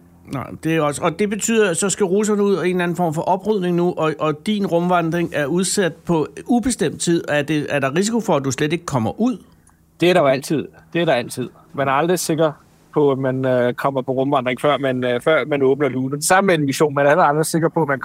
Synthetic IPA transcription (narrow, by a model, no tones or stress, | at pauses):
nɑ̈ɪ̰d̥e̝æɒ̽səʔɒ̽d̥e̝b̥e̝t͡sʰy̰ːð̞̰ˠɐsɒ̽sɡ̥æʁuːsɐnəuð̞̰ˠɒe̝̰ːnlæn̩fɒ̰ːmfɒ̽ʔɒ̽b̥ʁyð̰ˠne̝ŋnuʔɒ̽ʔɒd̥inʁɔ̽mʋɑ̈nd̥ʁeŋæɐuð̞ˠsæd̥̚pʰɒ̽ub̥e̝sd̥em̰d̥̚t͡sʰið̰ˠɒæɐd̥e̝æɐɾɑ̈ʁis̬ikʰo̝fɒ̽æd̥usled̥e̝ɡ̥ə̥kʰɒ̽m̰ɐʔuð̰ˠ | d̥e̝æɐɾɑ̈joæl̰t͡sʰið̞̰ˠd̥e̝æɐɾɑ̈æl̰t͡sʰið̰ˠ | mænæɐɑ̈ld̥ʁise̝ɡ̥ɐ | pʰɒ̽æmænkʰɒ̽m̰ɐpʰɒ̽ʁɔ̽mʋɑ̈nd̥ʁeŋfɶɐ̰mænfɶɐ̰mænɔ̽ːb̥nɐluːn̩d̥esɑ̈məmeenʋiɕo̝̰ːnmænæɐelld̥ʁise̝ɡ̥ɐpʰɒ̽æmæn